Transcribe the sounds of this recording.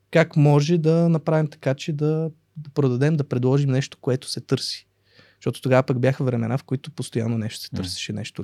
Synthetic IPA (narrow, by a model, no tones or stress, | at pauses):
kakmɔʒɛd̪ɐnɐpɾavimt̪ɐ̥kat͡ʃɛd̪ɐ | pɾod̪ɐd̪ɛmd̪ɐpɾɛd̪lˠɔʒimnɛʃt̪o̥koɛt̪o̥sɛt̪ɤɾsi̥ | ʃt̪ɔt̪o̥t̪oɡavəpaɡbʲjaxəvɾɛmɛnafkoit̪ʊpost̪oja̰nːonɛʃt̪o̥sɛ̥t̪ɤɾsɛ̥ʃɛnɛ̰ʃt̪o